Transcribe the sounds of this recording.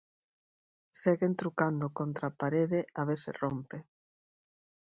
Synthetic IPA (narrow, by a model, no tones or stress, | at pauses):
seɣent̪ɾukand̪okont̪ɾapaɾeðɪaβeθɪ̰rompe